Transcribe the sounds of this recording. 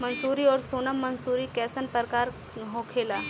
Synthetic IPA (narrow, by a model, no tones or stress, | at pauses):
mənsuːɾiːɔːɾsoːnəmːənsuːɾiːkɛːsənpəɾkaːɾ | ɦokʰela